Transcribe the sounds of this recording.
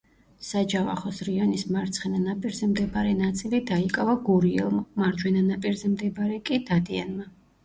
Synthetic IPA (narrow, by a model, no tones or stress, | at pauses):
sad͡ʒava̰χɔsɾiɔnismaɾt̪sʰχɛnanapʼiɾzɛmd̪ɛbaɾɛnat̪sʼilid̪aikʼavaɡuɾiɛ̰lˠmmaɾd͡ʒwɛnanapʼiɾzɛmd̪ɛbaɾɛkʼid̪̥ad̪ia̰nma